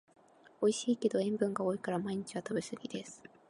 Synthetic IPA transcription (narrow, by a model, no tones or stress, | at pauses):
o̞iɕiːke̞d̪o̞ẽ̞mbɯ̟̃ŋɡao̞ːikaɾamaiɲ̟it͡ɕiβat̪abesɨɡʲid̪̥e̞sɨ̥